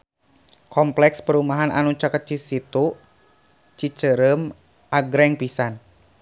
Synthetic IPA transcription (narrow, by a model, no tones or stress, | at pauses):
kɔmplɛkspəɾumaɦana̰nut͡ʃakət͡ʃisit̪u | t͡ʃit͡ʃəɾəm | ʔaɡɾɛŋpisan